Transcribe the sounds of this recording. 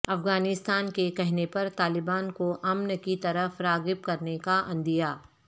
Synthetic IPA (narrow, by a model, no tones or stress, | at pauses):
ɐfɡaːnɪst̪aːnkekɛɦnepɐɾt̪aːlɪbaːnkoʔɐmnəkit̪ɐɾəfɾaːɡɪp̚kɐɾnekaʔɐ̃nd̪ijaː